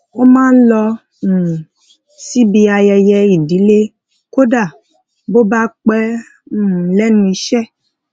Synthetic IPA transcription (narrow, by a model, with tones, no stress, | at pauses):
o˦mãː˦n̩˦lɔ˧˨ | si˦bi˧a˧jɛ˧jɛ˧i˨di˨˦le˦ | ko˦da˦˨ | bo˦ba˦k͡pɛ˦˨ | lɛ˨˦nũ˧˦i˧˦ʃɛ˦˨